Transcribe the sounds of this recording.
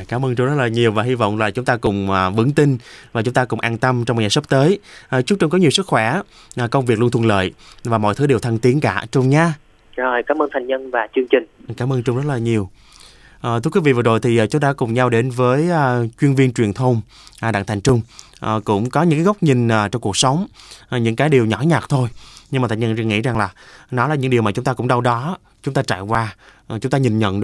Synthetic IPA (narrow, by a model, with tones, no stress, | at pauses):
kaː˨˦mʔəː˧nt͡ɕʊ˧ŋ͡mzt̚laː˨˩ɲi˨˩əwvaː˨˩ɦi˧vɔ̰˧˨wŋ͡mlaː˨˩t͡ɕʊ˨˦ŋ͡mt̪aː˧kʊ˨˩ŋ͡mʔːvɨ̰˧˥əŋt̪ï˧ŋ̟vaː˨˩t͡ɕʊ˨˦ŋ͡mt̪aː˧kʊ˨˩ŋ͡mʔaː˧nt̪ə˧mt͡ɕɔ˧ŋ͡mma˨˩ɲaː˨˩sə˦˥p̚t̪əː˨˦jʔt͡ɕʊ˦˥ŋ͡m̚t͡ɕə˧ŋ͡mkɔ˨˦ɲi˨˩əwsɨ˦˥k̚xwɛ˧˩ | ʔkə˧wŋ͡mvi˨˩k̚lnt̪ʰwlə̰ː˧˨jvaː˨˩mɔ̰˧˨jt̪ʰɨ˨˦ɗe˨˩wt̪ʰə˧nt̪i˨˦ənka̰ː˧˩t͡ɕʊ˧ŋ͡mɲaː˧ | zo˨˩jkaː˨˦mʔəː˧nt̪ʰa˨˩jŋɲə˧nvaː˨˩t͡ɕɨ˧əŋt͡ɕï˨˩ŋkaː˨˦mʔəː˧nt͡ɕʊ˧ŋ͡mzə˦˥t̚laː˨˩ɲi˨˩əw | ʔːt̪ʰɨ˧kwi˨˦vḭ˧˨və˨˩zo˨˩jt̪ʰi˨˩ʔːt͡ɕʊ˨˦ɗ̪a̰ː˧˥kʊ˨˩ŋ͡mɲa˧wɗe˨˦nvəː˨˦jʔːt͡ɕwi˧ənvi˧nt͡ɕwi˨˩ənt̪ʰə˧wŋ͡m | ʔɗa̰ː˧˨ŋt̪ʰɛ˨˩ŋ̟t͡ɕʊ˧ŋ͡m | ʔkʊ̰˧˥ŋ͡mkɔ˨˦ɲɨ̰˧˥ŋkaː˨˦ɣə˦˥wk͡p̚ɲï˨˩ŋ̟ʔːt͡ɕɔ˧wŋ͡mku˨˩k̚sə˨˦wŋ͡mɲɨ̰˧˥ŋkaː˨˦jɗi˨˩əwɲɔ˧˥˦ɲaː˨˩t̚t̪ʰo˧jɲɨ˧ŋaː˨˩t̪ʰŋɲə˧˩ŋḭ˧˥za˨˩ŋlaː˨˩nɔ˨˦laː˨˩ɲɨ̰˧˥ŋɗi˨˩wmaː˨˩t͡ɕʊ˨˦ŋ͡mt̪aː˧kʊ̰˧˥ŋ͡mɗa˧wɗɔ˨˦ | t͡ɕʊ˨˦ŋ͡mt̪aː˧t͡ɕa̰ː˧˨jkwaː˧˨˩ | t͡ɕʊ˨˦ŋ͡mt̪aː˧ɲï˨˩nɲə̰˧˨n